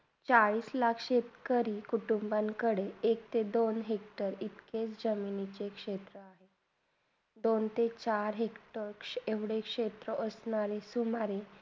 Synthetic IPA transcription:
t͡saɭiːslakʰɕet̪kəɾiːkuʈumbãŋkəɽeekt̪ed̪onɦekʈəɾit̪ket͡sd͡ʑəminit͡ɕekʂet̪ɾəaɦe | d̪ont̪et͡ɕaɾɦekʈəɾeʋɽekʂet̪ɾəʔəsɳ̃aɾesumaɾe

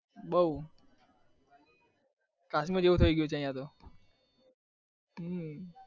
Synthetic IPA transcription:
bəu | kasmiõd͡ʒeʋũt̪ʰəiɡjot͡ʃʰeəjãt̪o

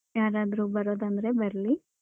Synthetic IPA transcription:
jaːɾaːd̪ɾubɐɾo̞ːd̪ɐnd̪ɐɾe̞bɐɾli

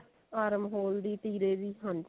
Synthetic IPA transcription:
aːɾəmɦoːld̪iːt̪iːɾeːd̪iːɦən

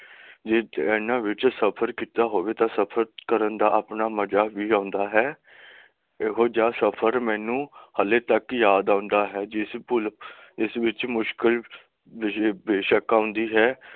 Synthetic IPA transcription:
d͡ʒeːɛːnãːʋɪt͡ʃsəpʰəɾkiːt̪aːɦoːʋeːt̪ãːsəpʰəɾkəɾənd̪aːʔapnaːməd͡ʒaːʋiːãːʊnd̪aːɦɛː | ɦoːd͡ʒaːsəpʰəɾmɛ̃ːnũːhəlːeːt̪əkjaːd̪ãːʊ̃nd̪aːɦɛːd͡ʒɪspʊl | ɪsʋɪt͡ʃmʊʃkɪl | ɪbeːʃəkaːʊ̃nd̪iːɦɛː

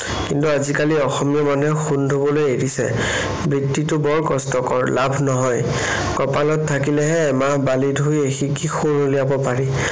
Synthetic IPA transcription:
kintuazikaliɔxɔmijɔmanɛxundʱobɔlojeɹisɛ̰ | bɹitːitʊbɔɹkɔstɔkɔɹlabʱnɔɦɔj | kɔpalɔttʰːakilɛɦɛːmabalidʱɦojexikixunoliabɔpaɹi

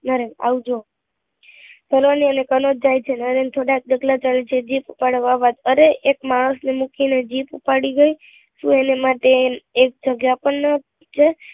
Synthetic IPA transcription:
nəɾena̰ʋud͡ʒo | səlʋaniənekənod͡ʒajt͡ʃʰenəɾent̪ʰoɽak̚d̪əɡlat͡ʃalet͡ʃʰed͡ʒipupaɽəʋaʋad͡ʒ̪əɾeʔekmaɽ̃əsnemukined͡ʒipupaɽiɡəj | ʃũenemaʈeek̚d͡ʒəɡjapəɳnə | t͡ʃʰe

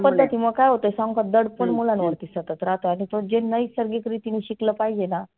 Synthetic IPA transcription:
pəd̪ʱːət̪iːməɡkajɦot̪əjsãŋɡkad̪əɽpəɳmulãnʋəɽt̪iːsət̪at̪ɾat̪oaɽ̃it̪od͡ʑenːəisəɾɡikɾit̪in̤iɕikləpaid͡ʑena

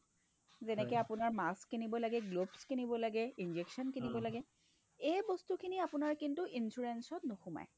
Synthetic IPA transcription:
zɛnɛkɛapʊnaɹmaskinibɔlaɡɛɡlobskinibɔlaɡɛind͡ʒeksɔnkinibɔlaɡɛ | ejbɔstukʰiniapʊnaɹkintuʔinsuɹensɔtnoxʊma̰j

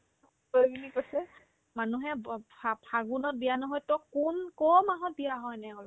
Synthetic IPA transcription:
obinikosɛ | manuɦɛapʰaɡunɔt̚bijanɔɦɔjtɔkunkɔmaɦɔt̚bijaɦɔjnɛɡɔl

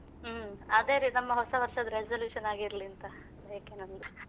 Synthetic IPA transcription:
ɐd̪eːɾinɐmːɐɦɔsɐʋɐɾʂɐd̪ɐɾed͡ʒɐljuːʂɐnaːɡiɾɐliɐnt̪ɐ | eːkenɐnd̪u

